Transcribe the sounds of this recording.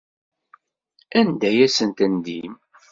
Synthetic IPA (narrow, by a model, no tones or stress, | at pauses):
ænd̪æjæsənt̪ænd̪im